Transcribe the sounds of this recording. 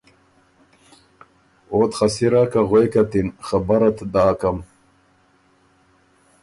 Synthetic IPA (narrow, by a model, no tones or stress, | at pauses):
ot̪χasiɾakaɣwekat̪inχabaɾat̪d̪aːkam